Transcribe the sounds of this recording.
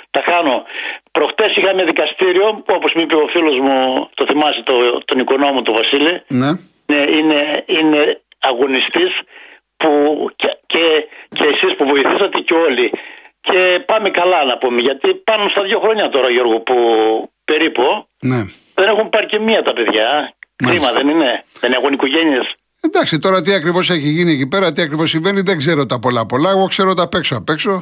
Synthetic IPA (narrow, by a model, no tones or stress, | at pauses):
t̪ɐxɐnopɾoxt̪e̞sixɐmeðikɐst̪iɾio̞puoposmipiofilo̞zmut̪oθimɐsit̪ot̪o̞niko̞no̞mut̪ovɐsiline | neine̞ine̞ | ɐɣo̞nist̪is | pu | ceceːsispuvo̞iθisɐt̪eceo̞lice̞pɐmekɐlɐnɐpumeʝɐt̪ipɐnunst̪ɐðʝo̞xɾo̞ɲɐt̪o̞ɾɐjo̞ɾɣupupe̞ɾipo | ne | ðe̞nexumpɐɾcemiɐt̪ɐpe̞ðʝɐkɾimɐðenine̞ðenexonikoʝe̞nies | end̪ɐksit̪o̞ɾɐt̪̬iɐkɾivo̞se̞çiʝinie̞cipe̞ɾɐt̪iɐkɾivo̞sːiɱve̞niðeɡze̞ɾot̪ɐpo̞lɐpo̞lɐeɣo̞kse̞ɾot̪ɐpe̞ksoɐpe̞kso̞